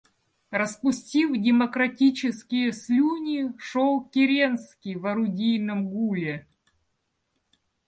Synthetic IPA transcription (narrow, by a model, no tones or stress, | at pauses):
rəspʊsʲtʲifdʲɪmɐkɾɐtʲit͡ɕɪskʲɪjəslʲunʲiʂolˠkʲɪɾʲenskʲɪjvɐɾʊdʲijnɨmɡulʲɪ